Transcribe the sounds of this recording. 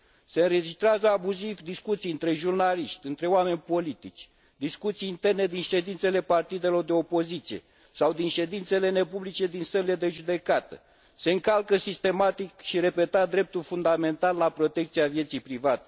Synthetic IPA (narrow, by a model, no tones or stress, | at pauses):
se̞ɨnɾe̞d͡ʒist̪ɾeazəabuzivd̪iskut̪sijɨnt̪ɾe̞ʒurnaliʃt̪ʲɨnt̪ɾe̞owame̞nʲpo̞lit̪it͡ʃʲ | d̪iskut̪sijːnt̪e̞rne̞d̪inʃe̞d̪int̪se̞le̞part̪id̪e̞lo̞rd̪e̞o̞po̞zit̪sije̞̰ | sawd̪inʃe̞d̪int̪se̞le̞ne̞publit͡ʃe̞d̪inst̪əɾile̞d̪e̞ʒud̪e̞kat̪ə̰ | se̞ɨŋkalkəsist̪e̞mat̪ikʃiɾe̞pe̞t̪ad̪ɾe̞p̚t̪ulfund̪ame̞nt̪alːapɾo̞t̪e̞k̚t̪siavje̞t̪sijpɾivat̪e